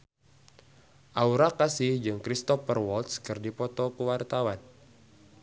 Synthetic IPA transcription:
ʔauɾakasihd͡ʒɨŋkɾist̪ɔfərwɔlt̪skɨrdipɔt̪ɔkuwart̪awan

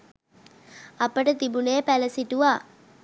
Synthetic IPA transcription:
ɐpəʈət̪ibunejpæləsiʈuʋaː

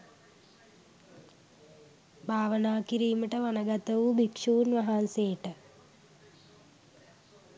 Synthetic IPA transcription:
bʱaːʋənaːkiɾiːməʈəʋanəɡat̪əʋubikʂuːnʋaɦanseːʈə

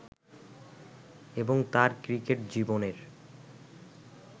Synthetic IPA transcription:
eboŋt̪aɾkɾikeʈd͡ʑiboneɾ

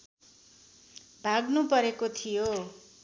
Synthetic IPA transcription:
bʱaɡnupʌɾekot̪ʰijo

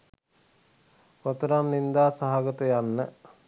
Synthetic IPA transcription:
pot̪əɾanːind̪aːsaɦaɡət̪əjanːə

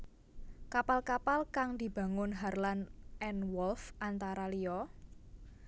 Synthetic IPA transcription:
kapalkapalkaŋd̪̥i̤b̥a̤ŋʊnɦarlanʔɛnwɔlfʔant̪aɾalijɔ

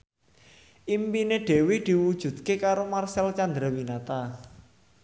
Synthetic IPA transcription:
ʔimpineɖ̥e̤wed̪̥i̤wud̥ʒ̥ṳd̪̚kekaɾomarsɛlt͡ʃand̪ɾawinat̪a

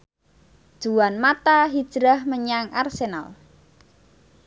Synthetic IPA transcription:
d̥ʒ̥uwanmat̪aɦid̥ʒ̥ɾahməɲaŋarsena̰l

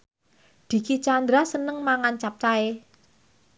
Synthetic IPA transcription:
d̪̥i̤kit͡ʃand̪ɾasənəŋmaŋant͡ʃap̚t͡ʃae

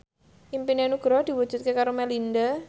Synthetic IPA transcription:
impinenuɡ̥ɾɔd̪̥i̤wud̥ʒ̥ṳt̪̚kekaɾomɛlind̪a

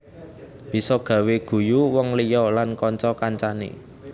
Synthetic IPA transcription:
b̥i̤sɔɡ̥ä̤weɡ̥ṳjuwɔŋlijɔlankɔɲt͡ʃɔkaɲt͡ʃanḛ

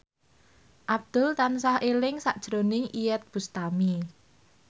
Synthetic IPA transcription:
ʔab̚d̪̥ʊ̤lt̪ansahelɪŋsaʔd̥ʒ̥ɾonɪŋʔijɛt̪̚b̥ṳst̪ami

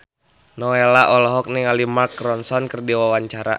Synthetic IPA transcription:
nɔelaʔɔlɔɦɔk̚nɛŋalimarkːɾɔnsɔnkərdiwawaɲt͡ʃaɾa̰

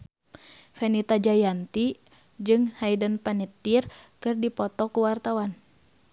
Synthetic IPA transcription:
fɛnit̪ad͡ʒajant̪i | d͡ʒɨŋhajdənpanit̪ːirkɨrdipɔt̪ɔkuwart̪awan

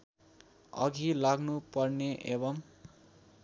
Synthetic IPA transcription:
ʌ̰ɡilaɡnupʌrneʔebʌm

